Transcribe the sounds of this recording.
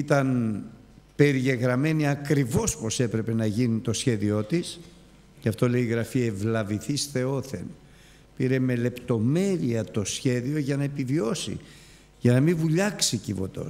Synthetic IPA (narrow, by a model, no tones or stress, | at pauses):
it̪ɐn | pe̞ɾiʝe̞ɣɾɐme̞niɐkɾivo̞spo̞se̞pɾe̞pe̞nɐʝinit̪o̞sçe̞ðio̞t̪is | cɐft̪o̞le̞iːɣɾɐfievlɐviθisθe̞o̞θḛn | piɾe̞me̞le̞pt̪o̞me̞ɾiɐt̪o̞sçe̞ðio̞ʝɐnɐepivio̞sḭ | ʝɐnɐmivuʎɐksicivo̞̰t̪o̞̰